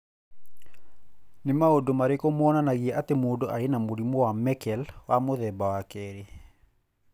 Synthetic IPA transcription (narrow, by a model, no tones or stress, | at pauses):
nɪmaodomaɾekomɔɔnanaɣiɛʔatemodoʔaenamoɾimɔwamɛkɛlwamoðɛbawakɛɾe